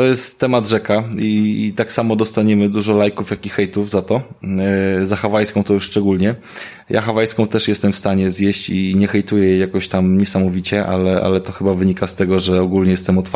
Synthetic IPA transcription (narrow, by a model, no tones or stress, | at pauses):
t̪ɔjɛst̪ːɛmad̪ʐɛkait̪aksamɔd̪ɔst̪aɲɛmɘd̪uʐɔlajkufjakʲixɛjt̪uvzat̪ɔ | zaxavajskɔ̃w̃t̪ɔjuʂːt͡ʂɛɡulɲɛ | ja̰xavajskɔ̃w̃t̪ɛʂjɛst̪ɛmfst̪aɲɛzjɛɕt͡ɕiɲɛxɛjt̪ujɛjɛjakɔɕt̪amɲɛsamɔvʲit͡ɕɛʔa̰lɛʔa̰lɛt̪ɔxɘbavɘɲikast̪ɛɡɔʐɛɔɡulɲɛjɛst̪ɛmɔt̪faɾ